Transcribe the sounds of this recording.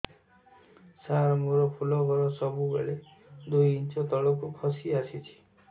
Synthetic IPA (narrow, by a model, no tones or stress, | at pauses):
saɾmuɾɔpʰulɔɡʱɔɾɔsɔbubḛɭe | d̪ujint͡ʃɔt̪ɔɭɔk̬ukʰɔsiasit͡ʃʰi̥